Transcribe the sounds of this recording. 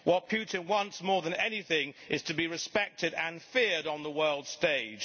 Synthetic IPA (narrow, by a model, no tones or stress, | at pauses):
wʌt̚pʰj̥ʉʔn̩wʌ̃nsmɔɹðə̃nɛniθɪ̃ŋɨz̥tʰɨbiɹɨspɛk̚tɨɾɨ̃nfɪɹɾn̩ðəwɜ˞lˠd̥steɪd̥ʒ̥